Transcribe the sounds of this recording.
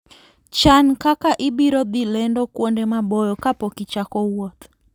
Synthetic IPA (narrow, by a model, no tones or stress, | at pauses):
t͡ʃankakaʔɪbiɾɔd̪ilɛndɔkwondemabɔjɔkapɔkit͡ʃakɔwɔt̪